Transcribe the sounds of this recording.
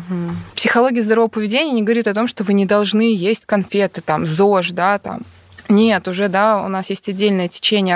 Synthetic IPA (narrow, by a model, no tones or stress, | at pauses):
ɦm̩psʲɪxɐlˠo̞ɡʲɪjəzd̪əɾovəpəvʲɪdʲenʲɪjənʲɪɡəvɐɾʲit̪ɐt̪o̞mʂt̪o̞vɨnʲɪd̪ɐlˠʐnɨjesʲtʲkɐnfʲet̪ɨt̪amzoʂd̪at̪a̰m | nʲet̪ʊʐɛd̪aʊ̰nasjesʲtʲɐdʲːelʲnəjətʲɪ̥t͡ɕenʲɪjə